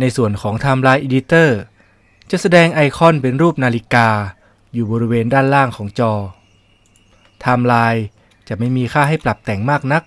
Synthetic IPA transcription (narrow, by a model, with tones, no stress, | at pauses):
na˧jsu˨˩ənkʰɔː˩˦ŋt̪ʰaː˧mlaː˧jʔeː˧di˦˥t̪ɤː˥˩ | t͡ɕa˨˩ʔsa˧dɛː˧ŋʔa˧jkʰɔ˥˩npe˧nɾuː˥˩p̚naː˧li˧˥kaː˧ | juː˨˩bɔː˧ɾi˦˥weː˧ndaː˥˩nlaː˥˩ŋkʰɔː˩˦ŋt͡ɕɔː˧ | t̪ʰaː˧mlaː˧j | t͡ɕa˨˩ma˥˩jmiː˧kʰaː˥˩ɦa˥˩jpla˨˩p̚t̪ɛ˨˩ŋmaː˥˩k̚na˦˥k̚